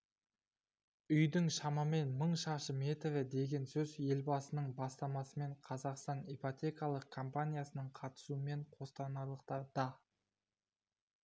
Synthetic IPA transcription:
ʏjd̪ɪŋʃɑmɑme̞nməɴʃɑʃəme̞t̪evɪd̪e̞ɡʲe̞nsɵzje̞lbɑsənəɴbɑst̪ɑmɑsəme̞ɴqʰɑzɑqst̪ɑnejpot̪ʲe̞kɑlˠəq̚kʰompanʲijasənəɴqʰɑt̪ə̥suəme̞ɴqʰo̞st̪ɑnɑlˠəq̚t̪ɑɾd̪ɑ

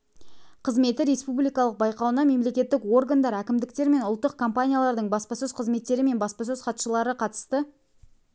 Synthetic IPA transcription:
qʰəzme̞t̪ɪɾʲe̞spublijkɑlˠəq̚bɑjqɑwnɑme̞mle̞kʲe̞t̪ːɪkwo̞rɡand̪ɑɾækʲɪmd̪ɪk̚t̪e̞ɾme̞nʊlˠt̪ːəq̚kʰompanʲijalˠɑɾd̪əɴbɑspɑsɵzqʰəzme̞t̪ːe̞ɾɪme̞nbɑspɑs̬ɵz̥qʰɑt̪ʃəlˠɑɾəqʰɑt̪ə̥st̪ə

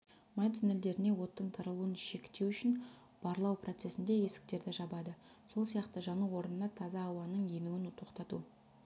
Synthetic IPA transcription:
mɑnt̪ʰʏne̞ld̪e̞ɾɪne̞wo̞t̪ːəɴt̪ʰɑɾəlˠuənʃe̞kt̪ːe̞wʏʃɪn | b̥ɑɾlˠɑwprʔo̞t̪se̞sɪnd̪e̞je̞sɪ̥k̚t̪e̞ɾd̪ɪʒɑbɑd̪ə | so̞lˠsijɑqt̪əʒɑnuwo̞ɾənənɑt̪ʰɑzɑːwɑnəɴje̞mɪɡʲɪnt̪ʰo̞qt̪ɑt̪ṵ

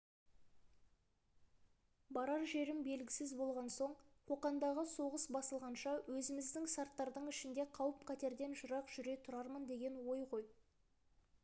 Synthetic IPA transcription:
bɑɾɑɾʒe̞ɾɪmbe̞lɡʲɪsɪzbo̞lˠʁɑnso̞ɴqʰo̞qɑnd̪ɑʁəso̞ʁəsbɑsəlˠʁɑnʃɑwɵzɪmɪzd̪ɪŋsɑɾt̪ːɑɾd̪əɴɪʃɪnd̪e̞qʰɑwəp̚qʰɑt̪e̞ɾd̪e̞nʒʊɾɑqʒ̥ʏɾe̞t̪ʰʊɾɑɾmənd̪e̞ɡʲe̞nwo̞jqo̞j

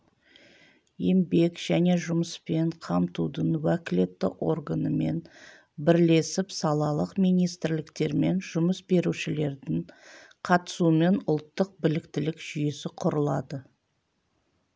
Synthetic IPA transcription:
jembe̞kʒ̥æne̞ʒʊməspe̞ɴqʰɑmt̪ud̪əɴwækʲɪle̞t̪ːɪ̰ʔo̞̰rɡanəme̞̰n | bɪɾle̞sɪpsɑlˠɑlˠəqmijnijst̪ɪɾlɪkt̪e̞ɾme̞nʒʊməsbe̞ɾuʃɪle̞ɾd̪ɪŋqʰɑt̪ə̥sume̞nʊlˠt̪ːəq̚bɪlɪkt̪ɪlɪkʒ̥ʏje̞sɪqʰʊɾəlˠɑd̪ə

